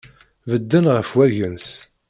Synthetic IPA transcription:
vəd̪ːənʁəfwæʝəns

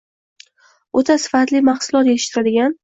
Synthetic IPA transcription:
ot̪ʰasɪ̥fat̪lɪmaχsʊlˠɒt̪jet̪ɪʃɪ̥t̪ʰːɪɾad̪ɪɡʲan

